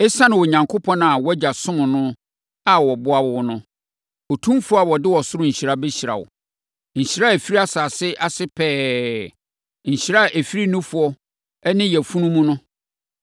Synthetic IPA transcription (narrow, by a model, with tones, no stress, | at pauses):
ɛ˦sã˦nʊ̃˨wɔ˨ɲã˨ŋkʰo˦pʰɔ̃˦n˨a˨wɔ˦d͡ʑa˨sʊ̃˦nʊ̃˨nʊ̃˦ | a˨wɔ˨bʊ˦a˦wɔ˨wɔ˦nʊ̰̃˦ | ɔ˨tʰũ˦mfʊ˦a˨wɔ˨dɪ˦wɔ˨sʊ˦ʊ˦ɲ̩˨ɕi˨ɾa˦bɛ˦ɕi˨ɾa̰˨wʊ̰˨ | ɲ̩˨ɕi˨ɾa˦e˨fi˦ɾi˦a˦saː˨sɪ˦ʔa˨sɪ˦pʰɛː˦ | ɲ̩˨ɕi˨ɾa˦ʔe˨fi˦ɾi˦nũ˦fʊ˨ɔ˦ | ɛ˦nɪ̃˦jɛ˨fũ˦nũ˦mũ˦nʊ̃˦